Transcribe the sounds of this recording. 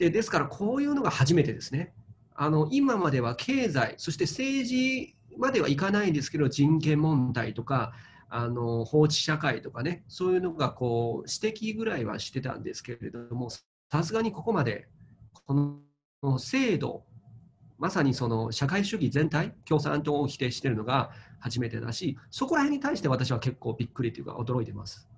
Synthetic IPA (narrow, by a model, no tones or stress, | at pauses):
d̪̥e̞d̪e̞sɨ̥kaɾakʰo̞ːjɯ̟ːnoɡahaʑime̞t̪e̞d̪e̞sɨ̥ne̞ | ano̞ʔimamad̪e̞β̞akʰe̞ːzaiso̞ɕi̥t̪e̞se̞ːʑi | mad̪e̞βa̰ikanaĩnd̪esɨ̥ke̞d̪oʑĩŋkẽ̞mːõ̞nd̪ait̪o̞ka | ano̞ho̞ːɕi̥ɕakait̪o̞kane̞so̞ːjɯ̟ːno̞ɡako̞ːɕi̥t̪e̞kʲiɡɯ̟ɾaiβa̰ɕi̥t̪ːe̞t̪ã̰nd̪e̞sɨ̥ke̞ɾe̞d̪o̞mo̞s | asɨɡaɲ̟iko̞ko̞mad̪e̞̰ko̞n | ose̞ːd̪o̞̰ | masaɲ̟iso̞no̞ɕakaiɕɨɡʲizẽ̞nt̪aikʲo̞ːsã̰nt̪o̞kʲi̥t̪e̞ɕi̥t̪e̞ɾɯ̟no̞ɡahaʑime̞t̪e̞̰d̪a̰ɕiso̞ko̞ɾahe̞ɲ̟ːit̪aiɕi̥t̪e̞βat̪aɕiβake̞kːo̞ːbʲikːɯ̟ɾʲit̪ojɯ̟ka̰o̞d̪oɾo̞it̪e̞ma̰sɨ̥